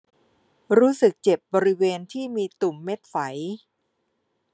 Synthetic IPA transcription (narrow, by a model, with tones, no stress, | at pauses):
ɾuː˦˥sɯ˨˩k̚t͡ɕe˨˩p̚bɔː˧ɾi˦˥weː˧nt̪ʰiː˥˩miː˧t̪u˨˩mːe˦˥t̪̚fa˩˦j